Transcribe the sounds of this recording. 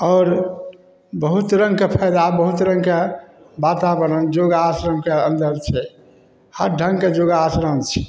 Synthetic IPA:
ɔːɾ | bəɦut̪ɾə̃ŋɡkepʰɛjd̪abəɦut̪ɾə̃ŋɡke | bat̪abəɾənd͡ʒoɡaasɾəmkeənd̪əɾt͡ʃʰɛ | həɾɖʱə̃ŋɡked͡ʒoɡaːsɾəmt͡ʃʰɛ

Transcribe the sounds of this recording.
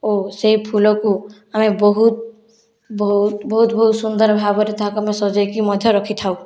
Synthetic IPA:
oseɦipʰulɔku | amebɔɦut̪̚ | bɔɦut̪bɔɦut̪bɔɦut̪sund̪ɔɾbʱabɔɾet̪ɔɦakuamesɔd͡ʒɔjkimɔd̪ʱjɔɾɔkʰit̪ʰaw̃

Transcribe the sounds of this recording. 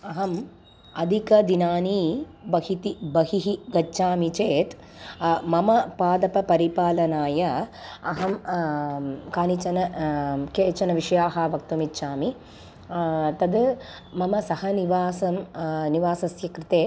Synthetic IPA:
ɐɦɐm | ɐd̪ʱikɐd̪inaːnibɐɦit̪ibɐɦiɦiɡɐːʃaːmit͡ʃeːt̪ | mɐmɐpaːd̪ɐpɐpɐɾipaːlɐnaːjɐɐɦɐm | kaːnit͡ʃɐnɐkeːt͡ʃɐnɐʋiʂɐjaːɦɐʋɐk̚t̪umitːʃaːmi | t̪ɐd̪ | mɐmɐsɐhɐniʋaːsɐmniʋaːsɐsjɐkɾit̪eː

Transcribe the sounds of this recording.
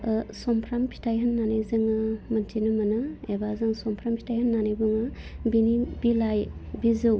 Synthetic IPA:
sɔmpʰɾampʰi̥tʰajɦənːanajzɯŋɯmɐntʰinɯmɐnɯebazɯŋsɔmpʰɾampʰi̥tʰajhɐnːanajbɯŋɯbinibilajbizɯw

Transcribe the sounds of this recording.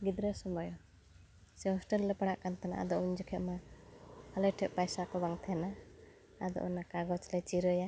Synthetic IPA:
ɡid̪ɾəsɔmbajɔ | sɛɦɔsʈəllɛpaɽaʔkant̪ʰana̰ʔa̰d̪ɔʔuɲd͡ʒəkʰɛʔ̪̚ma | alɛʈʰɛʔ̚pajsakɔbaŋt̪ʰɛna | ad̪ɔ̰ʔɔnakaɡɔt͡ʃlɛt͡ʃiɾəja

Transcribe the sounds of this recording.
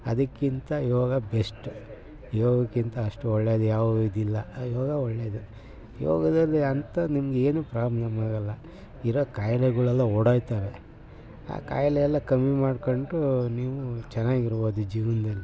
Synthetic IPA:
ɐd̪ɐkːint̪ɐijɔʋaːɡɐbesʈu | jɔːɡɐkːint̪ɐɐʂʈuɔɭːed̪ujaːʋid̪ilːɐjiɔːɡɐɔɭːeːd̪u | jɔ̰ːɡɐd̪ɐlːiɐnt̪ɐnimɐɡee̞ːnuːpɾaːmlɐmaːɡɐlːɐ | iɾoːkaːjɐlɛɡuɭɛlːɐɔɽajt̪aːʋe | a̰ːka̰ːjɐlɛɛlːɐkɐmːimaːɖkoɳʈuniːʋut͡ʃɛnːaːɡiɾbo̞ːd̪ud͡ʒiːʋɐnd̪ɐlːi

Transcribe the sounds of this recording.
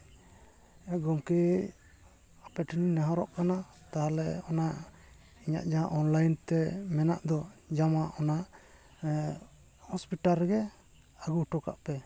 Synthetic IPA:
ɛɡɔmkɛ | apɛʈininaɦɔɾɔʔkana | t̪aɦalɛɔna | iɲa̰ʔd͡ʒaaʔɔnlajnt̪ɛmɛna̰ʔd̪ɔd͡ʒamaʔɔnaʔ | hɔspiʈaɾɡɛ | aɡuʈɔka̰ʔpɛ

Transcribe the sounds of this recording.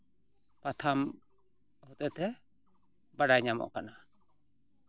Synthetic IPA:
pat̪ʰam | hɔt̪ɛt̪ɛ | baɖajɲamɔ̰ʔkana

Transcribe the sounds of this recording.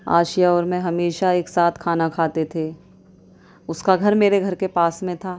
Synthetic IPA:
a̰ːʃijaɔːɾmɛ̃ɦɐmeːʃaeːksaːt̪ʰkʰaːnakʰaːt̪et̪ʰeː | ʊskaɡʱɐɾmeːɾeɡʱɐɾkepaːsmẽt̪ʰaː

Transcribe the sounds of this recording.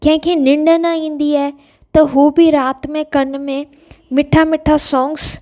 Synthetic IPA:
kɐ̃ɦɪ̃kʰeːnɪ̃ɳɖənaĩːn̆d̪iaːɦe | t̪ɐɦuːbɪɾaːt̪mẽkɐnmẽ | mɪʈʰamɪʈʰasɔːŋɡs

